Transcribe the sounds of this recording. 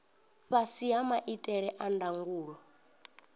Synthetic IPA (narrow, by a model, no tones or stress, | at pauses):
ɸasiamaʔitʼɛɺɛʔandaŋɡuːɺɔ